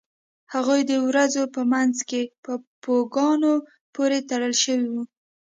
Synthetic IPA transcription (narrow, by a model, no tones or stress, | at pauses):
haɣujd̪əwɾazopəmanzkepəpoɡɑno | poɾet̪aɽəlʃəwiwu